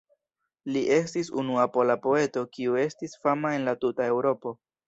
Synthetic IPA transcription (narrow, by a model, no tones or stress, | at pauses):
liʔe̞stisṵnuapo̞lapo̞e̞to̞kiue̞stisfamae̞nlatutae̞wɾo̞po̞